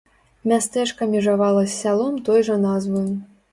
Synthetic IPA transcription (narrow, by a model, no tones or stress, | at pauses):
mʲast̪ɛt͡ʂkɐmʲiʐavalˠɐsʲːalˠɔmt̪ɔjʐɐnazvɨm